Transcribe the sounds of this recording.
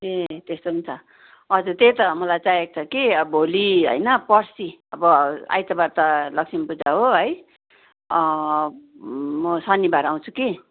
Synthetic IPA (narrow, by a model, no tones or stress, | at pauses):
et̪est̪ont͡sʰʌ | ʌd͡zut̪et̪ʌmʌlajt͡sajek̚t͡sʰʌkiʌbʱoliɦʌ̰jnʌpʌrsiʌbʌa̰jt̪ʌbart̪ʌlʌksimpud͡zaɦoɦʌj | ʌ | mʌsʌnibaɾaw̃t͡sʰu̥ki